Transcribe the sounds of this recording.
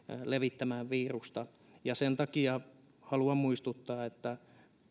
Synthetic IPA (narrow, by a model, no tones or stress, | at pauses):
leʋit̪ːæmæʋʋiːrust̪ɑ | jɑsent̪ɑkiɑ | hɑluɑmmuist̪ut̪ːɑːet̪ːæ